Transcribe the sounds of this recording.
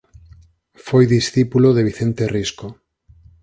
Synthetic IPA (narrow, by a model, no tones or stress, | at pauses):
fojðisθipuloðeβiθent̪erisko